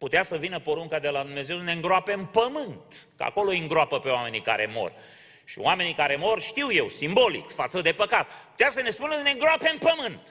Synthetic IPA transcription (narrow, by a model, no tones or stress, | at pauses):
put̪easəvinəpo̞ɾuŋkad̪e̞lad̪umne̞ze̞wd̪neɨŋɡɾoapeɨmpəmɨnt̪kəa̰ko̞lo̞jɨŋɡɾoapəpeoame̞nika̰ɾe̞̰mo̞̰r | ʃḭoame̞nikaɾe̞mo̞rʃt̪iwje̞wsimbo̞lḭkfat̪səd̪e̞pəkat̪̚pu̥t̪easəne̞spunəneŋɡɾoape̞ɨmpəmɨnt̪